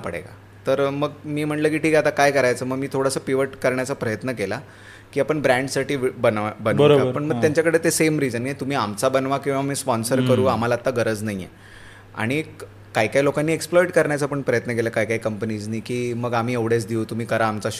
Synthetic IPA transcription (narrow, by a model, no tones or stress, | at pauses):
pəɽḛka̰ | t̪əɾməɡmiːm̤əɳlək̬iːʈʰiːkat̪akajkəɾajt͡səːməɡmiːt̪ʰoɽasəːpiʋəʈkəɾɳjat͡sapɾəjət̪nəkela | kiːapəɳbɾæ̃ɳɖsaʈiːbənabənʋəəpəɳməɡt̪jaɲt͡ɕjakəɽet̪esemɾid͡zənet̪um̤iːamt͡sabənʋakĩw̃ʋamiːspɔnsəɾkəɾuːam̤alaːt̪ːaɡəɾəd͡znaɦiḛ | a̰ɽ̃i | kaikajlokanːiːeksplɔjʈkəɾɳjat͡səpəɳpɾəjət̪nək̬eləkaikaikəmpənid͡znaikiːməɡam̤iːeʋɽet͡sd̪iut̪um̤iːkəɾaːmt͡saɕ